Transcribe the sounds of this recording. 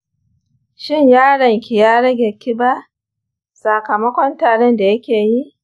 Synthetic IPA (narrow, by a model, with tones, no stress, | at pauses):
ʃɪ˦ɲjaː˦ɽɐ˨ŋkʲi˨jaː˦ɽɐ˦ɡʲeː˨kʲɪ˦ba˦ | sa˨kɐ˨mɐ˦kʷɔ˦ntaː˨ɽɛ˦nda˨jɐ˦kʲeː˨ji˦ʔ